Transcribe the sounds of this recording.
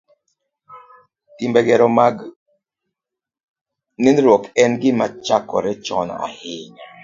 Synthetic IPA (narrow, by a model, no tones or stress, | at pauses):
timbɛɡɛɾɔmaɡ | nɪnɾɔkɛnɡɪmat͡ʃakɔ̰ɾɛt͡ʃɔ̰nɔ̰a̰hɪɲ